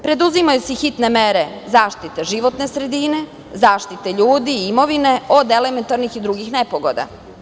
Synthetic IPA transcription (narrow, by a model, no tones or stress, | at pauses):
pɾe̞d̪uzimajusixit̪ne̞meɾe̞ | zaːʃt̪it̪eʒiʋo̞t̪ne̞sɾe̞d̪ine̞ | zaːʃt̪it̪eʎuːd̪iimo̞ʋine̞od̪eleme̞nt̪aɾnixid̪ɾuɡixnepoɡod̪a̰